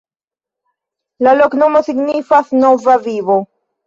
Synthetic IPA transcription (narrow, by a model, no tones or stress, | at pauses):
lalo̞kno̞mo̞siɡnifasno̞vavivo